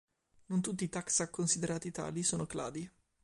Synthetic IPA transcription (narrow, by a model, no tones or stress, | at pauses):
nont̪ut̪ːiːt̪aksakːonsid̪eɾaːt̪it̪a̰ːlisoːnokla̰ːd̪i